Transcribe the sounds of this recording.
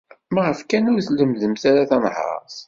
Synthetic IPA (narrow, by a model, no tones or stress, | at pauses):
mæʁəfkænʊɾθləmðəmθaɾaθænhɑ̰sˤ